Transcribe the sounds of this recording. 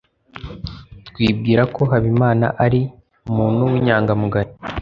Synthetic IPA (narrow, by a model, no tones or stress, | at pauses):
twiːb̚ɡiːɾako̞ɦaβimaːna̰ʔaɾi | umuːn̥huwiɲaːŋɡamuɡaɾi